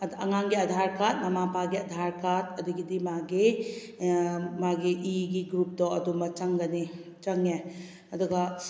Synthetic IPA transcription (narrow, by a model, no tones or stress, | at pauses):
ɐŋaŋɡiɐdʱaɾkat̚mamapaɡiɐd̪ʱaɾkat̚ɐduɡidimaɡi | maɡiʔiɡiɡɾup̚dɔɐdumɐt͡ʃɐŋɡɐni | t͡ʃɐŋe | ɐduɡɐ